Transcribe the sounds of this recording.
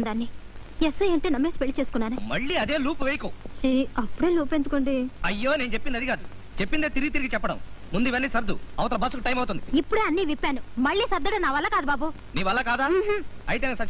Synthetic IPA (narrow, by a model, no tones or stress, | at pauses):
nd̪anːijesɐjɐɳʈeːnɐmeːsipeɭːit͡ʃeːsu̥kunːaːnɐmɐɭːiɐd̪eːluːpuʋejkoːʃiɐpːuɽeːluːpend̪ukoɳɖiɐjːoːneːnt͡ʃepːind̪ɐd̪ikaːd̪u | t͡ʃepːind̪eːt̪iɾiɡit̪iɾiɡit͡ʃɛpːɐɽɐ̰mmund̪uiʋɐnːiːsɐɾd̪uɐʋɐt̪ɐlɐbʱɐs̬ukuʈɐjmɐwut̪und̪iipːuɽeɐnːiʋipːaːnumɐɭːiːsɐɾd̪ɐɽenaːʋɐlːaːkaːd̪ubaːbu | niːʋɐlːakaːd̪aːɦɐjit̪ensɐt͡ʃː